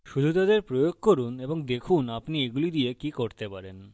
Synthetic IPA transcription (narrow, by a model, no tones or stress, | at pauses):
ʃud̪ʱut̪ad̪eɾpɾojoɡ̚koɾuneboŋd̪ekʰunapnieɡulid̪iekikoɾt̪epaɾen